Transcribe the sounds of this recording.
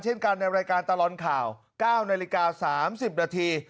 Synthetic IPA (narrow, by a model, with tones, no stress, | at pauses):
nt͡ɕʰe˥˩nka˧nːa˧jɾaː˧jkaː˧nt̪a˧lɔː˨˩nkʰaː˨˩w | kaː˥˩wnaː˧li˧kaː˧saː˩˦msi˨˩p̚naː˧t̪ʰiː˧